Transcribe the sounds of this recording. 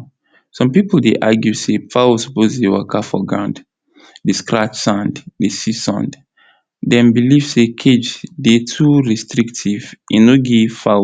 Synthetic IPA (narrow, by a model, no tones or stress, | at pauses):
sɔ̃mpipldeʔaɡjusefawosɔ̥pozdewakafɔɡãnd | deskɹat͡ʃsãnddesisɔ̰̃nd | dɛ̃mbiliv̥sekʰed͡ʒdetʰuɹistɹiktʰivĩnoɡefa